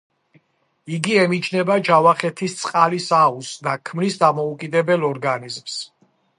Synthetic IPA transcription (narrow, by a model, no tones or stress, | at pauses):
iɡiɛmit͡ʃʰnɛbad͡ʒavaχɛt̪ʰist̪sʼqʼalisausd̪akʰmnisd̪amɔukʼid̪ɛbɛlɔɾɡanizms